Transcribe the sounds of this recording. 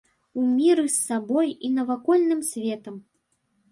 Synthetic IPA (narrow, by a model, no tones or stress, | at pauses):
umʲiɾɨsːabɔjinɐvakɔlʲnɨmsʲvʲɛt̪ɐm